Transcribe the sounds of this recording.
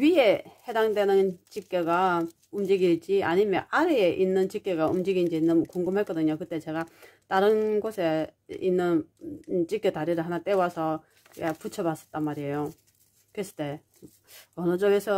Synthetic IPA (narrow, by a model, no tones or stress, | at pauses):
ɥie̞he̞daŋdwe̞nɯnt͡ɕik͈eɡa | umd͡ʑiɡiɭd͡ʑiʔaɲimjʌʔaɾeeʔinːɯnt͡ɕik͈jeɡaumd͡ʑiɡind͡ʑinːɯnkoŋɡɯmhek͈ʌdɯɲokɯt͈e̞t͡ɕe̞ɡat͈aɾɯnɡosʰe̞ | inːɯnt͡ɕik͈etaɾiɾɯɭɦanat͈e̞wasʰʌ | kɡaput͡ɕʰʌbas͈ʌ̥t͈anmaɾiejo | kɯesʰɯ̥t͈e̞ | ʌnɯd͡ʑobesʰʌ